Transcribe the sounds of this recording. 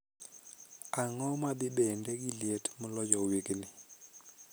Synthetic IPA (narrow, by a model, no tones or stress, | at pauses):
aŋɔmaɓɪɓɛndɛɡilietʰmʊlɔd͡ʒɔwiknɪ